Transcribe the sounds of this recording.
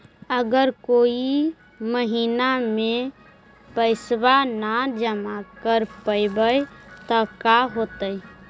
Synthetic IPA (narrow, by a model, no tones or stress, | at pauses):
əɡəɾkoːi | məɦiːnamẽ | pəɪsbanad͡ʒəmakəɾpəɪbəjt̪ɔkaɦoːt̪əi